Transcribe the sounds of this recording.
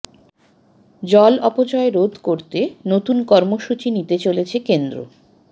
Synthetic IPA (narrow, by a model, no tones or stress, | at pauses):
d͡ʑɔlɔpot͡ɕɔeɾod̪ʱkoɾt̪enot̪unkɔɾmoʃut͡ɕinit̪et͡ɕolet͡ɕʰekend̪ɾo̰